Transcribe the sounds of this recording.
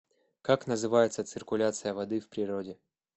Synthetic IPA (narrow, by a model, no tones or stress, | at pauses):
kaknəzɨvajɪt̪sət̪sɨrkʊlʲat̪sɨjəvɐd̪ɨfpɾʲɪɾodʲɪ